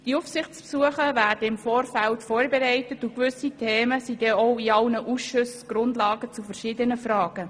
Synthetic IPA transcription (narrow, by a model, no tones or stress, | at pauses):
d̥iufsɪχt͡spsuəχəvæːrd̥əɪmfoːrfæltfoːrbeɾɛɪtətʊkʋʏsitʰeːməsid̥ɛːɔʊiɑlnəʔusʃʊsɡ̥ɾʊndlɑːɡət͡sufəɾʃiːdənəfrɑːɡ̥ə